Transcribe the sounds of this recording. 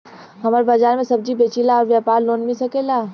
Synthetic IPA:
ɦɐmaːɾbazaːɾmẽsɐb̚d͡ʒibeːt͡ʃilaɔːɾʋjapaːɾloːnmɪsɐkeːlaː

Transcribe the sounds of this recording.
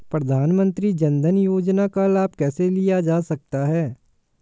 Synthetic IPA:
pɾɐd̪ʱaːnmə̃nt̪ɾid͡ʒɐ̃nd̪ʱənjoːd͡ʒnakalaːb̚kɛːselɪjad͡ʒaːsɐk̚t̪aɦɛː

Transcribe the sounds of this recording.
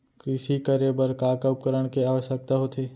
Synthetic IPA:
kɾɪʃikəɾebəɾkaːkəp̚kəɾəɽ̃keaːʋəʃjək̚t̪aɦot̪ʰeː

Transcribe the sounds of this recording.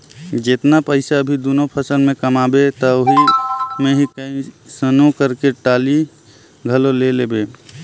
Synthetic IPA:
d͡ʒet̪napəɪsaəbʱid̪onopʰəsəlmẽkəmabet̪ɔoɦimeɦikəĩsənokəɾkeʈali | ɡʱəlolelebe

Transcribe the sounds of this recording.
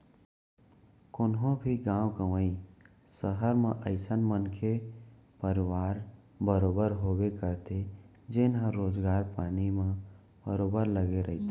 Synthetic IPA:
kʊnɦõbʱiɡãːwkəʋəi | səɦəɾmẽʔəɪsənmənkʰepəɾɪwaːɾ | bəɾoːbəɾɦoːbekəɾt̪ʰe | d͡ʒɪnɦə̃ɾoːd͡ʒɡaːɾpaːnimẽ | b̥əɾoːbəɾləɡeɾəɦit̪e

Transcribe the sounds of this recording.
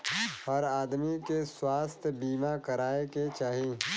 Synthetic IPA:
ɦɔɾaːd̪mikeswaːst̪ʰbiːmakɐɾaːeket͡ʃaːɦi

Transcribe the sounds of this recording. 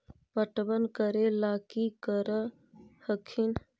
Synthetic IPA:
pəʈbənkəɾelakikəɾə | həkʰin

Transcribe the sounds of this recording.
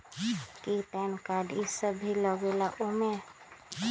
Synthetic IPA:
kiʈɛnkaɖisəbːiləɡelaʔume

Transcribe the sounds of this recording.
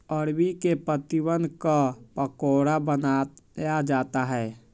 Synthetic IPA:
əɾbikepət̪iwənkapəkoːɾabənajad͡ʒaːt̪aɦɛː

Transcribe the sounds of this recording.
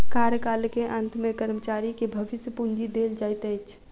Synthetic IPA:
kaɾjəkalkeʔə̃nt̪mekəɾmət͡ʃaɾikebʱəʋɪsjəpund͡ʒid̪eld͡ʒajt̪əjt͡ʃʰ

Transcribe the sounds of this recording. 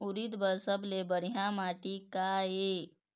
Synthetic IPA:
uɾit̪bəɾsəblebəɽiɦjamaʈikae

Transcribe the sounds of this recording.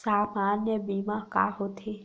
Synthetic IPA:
saːmanjəbimaka̰ːɦot̪ʰe

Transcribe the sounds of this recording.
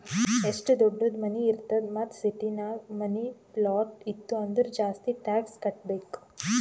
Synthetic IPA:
esʈd̪obɖud̪mɐniːɾt̪ɐd̪mɐt̪siʈinamɐniplɔːʈit̪ːuɐnd̪əɾd͡ʒaːst̪iʈaːkskɐʈ̚bek

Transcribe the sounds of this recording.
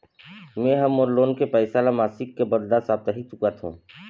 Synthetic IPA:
mẽɦəmoːɾloːnkepɛːsaːlamaːsɪkːebəd̪d̪asaːb̚t̪əɦit͡ʃʊkat̪ɦṵ̃ː

